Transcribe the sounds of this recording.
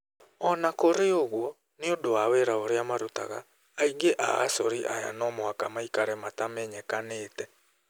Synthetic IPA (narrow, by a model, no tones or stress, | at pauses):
ɔnakoɾeoɣwɔ | neodoaweːɾaoɾeamaɾota̰ɣa̰ː | iŋɡeʔa̰a̰sɔɾiʔaja̰nɔmoakamaikaɾɛmatamɛɲɛkaneːtɛ